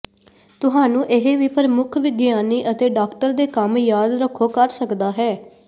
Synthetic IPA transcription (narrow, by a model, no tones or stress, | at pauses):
t̪ʊɦãːnũːʔɪɦeːʋiːpəɾmʊkʰʋɪɡjaːniːʔət̪eːɖaːkʈəɾd̪eːkəmjaːd̪ɾəkʰːoːkəɾsəkd̪aːɦɛː